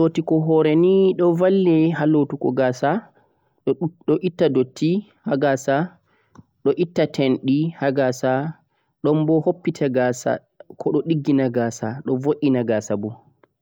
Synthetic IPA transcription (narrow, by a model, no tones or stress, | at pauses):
lotikɔɦɔɾɛniɗɔvalːɛɦalotukɔ̰ɡaːsa | ɗɔʔitːadotːi | haɡaːsa | ɗɔʔitːatʰɛnɗihaɡasa | ɗɔmbɔhopːitʰaɡasa̰ | kʰɔɗɔɗiɡːinaɡaːsaɗɔvoʔːinaɡaːsabu